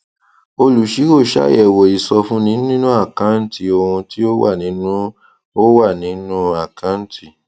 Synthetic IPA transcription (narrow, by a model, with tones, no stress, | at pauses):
o˧lu˨˦ʃi˨˦ko˦˨ʃa̰˦ɛ˨wo˨i˨sɔ˧fũ˦nĩ˨˦nĩ˦nũ˦a˦˨kã˨˦n̩˦ti˨o˧hũ˧ti˦o˦wʔa̰˦˨nĩ˨˦nũ˦ | o˦wa˦˨nĩ˨˦nũ˦a˨kã˨˦n̩˦ti˦˨